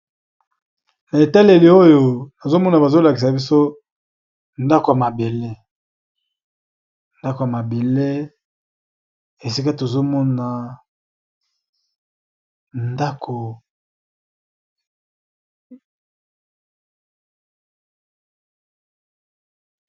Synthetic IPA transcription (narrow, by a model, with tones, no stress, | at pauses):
na˨e˨ta˦le˨li˨o˦jo˨na˨zo˦mɔ˦na˨ba˨zo˦la˨ki˨sa˨bi˦so˦ | nda˦ko˨ja˨ma˨be˨le˦ | nda˦ko˨ja˨ma˨be˨le˦ | e˨si˦ka˦to˨zo˦mɔ˦na˨ | nda˦kʰo˨